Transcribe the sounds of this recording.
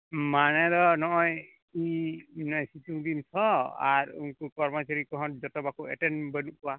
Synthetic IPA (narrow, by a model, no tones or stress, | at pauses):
manɛd̪ɔnɔʔɔj | inɔjsituŋd̪insʰɔa̰ɾṵnkukɔɾmɔt͡ʃaɾikɔɦɔ̃t̚d͡ʒɔt̪ɔbakuɛʈɛnbɛnuʔkuwa